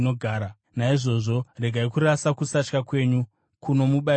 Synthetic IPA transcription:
noɡʱaːɾa | naiʐo̞ʐo̞re̞ɡʱaikuɾasakusat͡ʃkakwe̞ːɲu | kuno̞muɓa

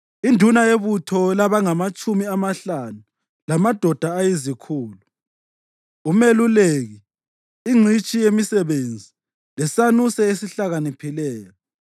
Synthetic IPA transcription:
indʱunajeβutʰɔlaβaŋamat͡ʃʼumiamaɬanu | lamad̥ʱɔd̥ʱaːjezikʰuːlu | umeluleɣiː | ŋ͡ǀʱit͡ʃʼijemisɛβend͡zʱi | lɛsanusɛesiɬaɣanipʰilɛːjɔ

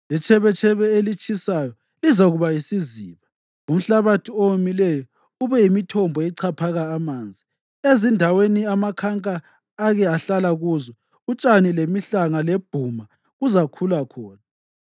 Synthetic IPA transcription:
lɛt͡ʃʰɛβɛt͡ʃʰɛβɛelit͡ʃʼʰisajɔ | lizaɣuβajisiziːβa | um̩ɬaβatʰiowumilɛjɔ | uβɛjimitʰɔmbʱɔɛǀʰapʰaɣaːmaːnd͡zʱi | ezindʱaweniamakʰaŋkʼaː | ɣɛaɬalaɣuːzɔ | ut͡ʃʼanilemiɬaŋaleb̥ʱuma | ɣuzakʰulakʰɔːna

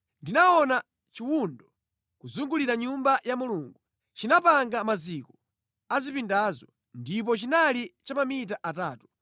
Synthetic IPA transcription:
ndinawɔna | t͡ʃiwundɔ | kuzuŋɡuliɾaɲumbajamuluːŋɡu | t͡ʃinapaŋɡamazikɔ̥ | azipindazɔ | ndip̬ɔt͡ʃinalit͡ʃamamit̬aʔataːtu̥

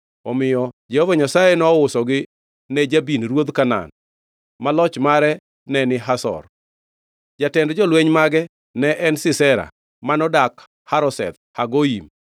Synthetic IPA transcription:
ɔmɪjɔd͡ʒɛhɔvaɲasajɛnɔʊsɔɡɪ | nɛd͡ʒabinɾwod̪kana̰n | malɔt͡ʃmaɾɛ | nɛnɪɦasɔ̰r | d͡ʒatɛndd͡ʒɔlwɛɲmaɡɛ | nɛʔɛnsɪsɛɾa̰ | manɔdak | haɾɔsɛ̰t̪̚haɡoim

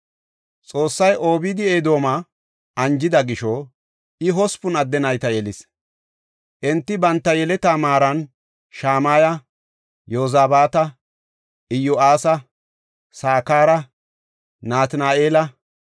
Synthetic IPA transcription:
t͡sʼo̞ːsːɐjʔo̞ːbiːd̪ɪeːd̪o̞ːmɐ | ɐnd͡ʒɪd̪ɐɡɪʃɔ | ʔɪɦɔspʊnɐd̪ːɛnɐjt̪ɐjɛlɪs | ʔɛnt̪ːɪbɐnt̪ːɐjɛlɛt̪aːmaːɾɐn | ʃaːmaːjɐ | joːzaːbaːt̪ɐ | ʔɪjʊʔaːsɐ | saːkaːɾɐ | naːt̪naːeːlɐ

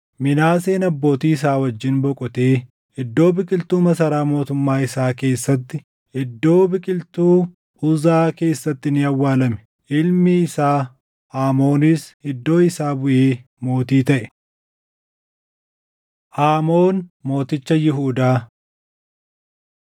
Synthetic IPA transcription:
mɪnaːse̞ːnɐbːo̞ːt̪iːɪs̬aːwɐd͡ʒːɪnbɔkʼʊt̪eː | ɪd̪ːo̞ːbɪkʼɪlt̪uːmɐsɐɾaːmo̞ːt̪ʊmːaːɪsaːke̞ːsːɐt̪ːɪ | ɪd̪ːo̞ːbɪkʼɪlt̪uː | ʊzaːke̞ːsːɐt̪ːɪnɪɐwːaːlɐmɛ̥ | ʔɪlmiːsaː | ʔaːmo̞ːnɪsɪd̪ːo̞ːɪsaːbʊʔeː | mo̞ːt̪iːt̪ɐʔɛ̥ | ʔaːmo̞ːnmo̞ːt̪ɪt͡ʃːɐjɪɦuːd̪aː

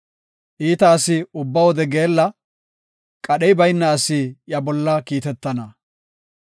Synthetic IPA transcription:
ʔiːt̪ɐːsɪʊbːɐwɔd̪ɛɡe̞ːlːɐ | kʼɐɗɛjbɐjnːɐːsijɐbɔlːɐkiːt̪ɛt̪ːɐnɐ

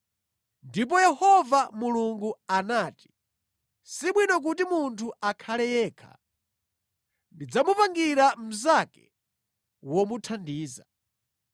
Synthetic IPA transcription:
ndip̬ɔjɛhɔvamuluŋɡuanaːti̥ | siɓwinɔk̬utimuntʰuakʰalɛjɛːkʰa̰ | ndid͡zamupaŋɡiɾam̩zakɛ | wɔmutʰandiːza

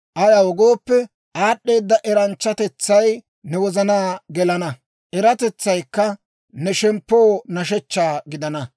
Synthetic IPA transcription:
ʔɐjɐwɔɡoːpːɛ | ʔaːɗːe̞ːd̪ːɐʔɛɾɐnt͡ʃːɐt̪ɛt͡sːɐj | nɛwɔzɐnaːɡɛlɐnɐ | ʔɛɾɐt̪ɛt͡sːɐjkːɐ | nɛʃɛmpːoːnɐʃ̬ɛt͡ʃːaːɡɪd̪ɐnɐ

